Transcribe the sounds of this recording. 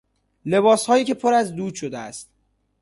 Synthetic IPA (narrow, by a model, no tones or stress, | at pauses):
le̞bɒːshɒːjiːcʰe̞pʰoɾæzd̪uːd̪ʃod̪eæ̰st̪̚